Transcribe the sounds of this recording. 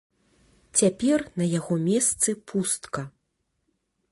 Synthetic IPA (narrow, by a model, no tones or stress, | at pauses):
t͡sʲapʲɛrnɐjaɣɔmʲɛst̪sɨpʰust̪kɐ